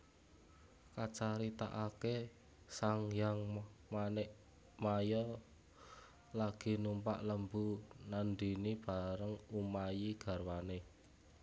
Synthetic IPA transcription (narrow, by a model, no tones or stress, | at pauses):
kat͡ʃaɾit̪a̰ʔake | saŋjaŋmanɛʔ | majɔ | laɡ̥i̤numpa̰ʔləmbunandinib̥a̤ɾəŋumajiɡ̥a̤rwane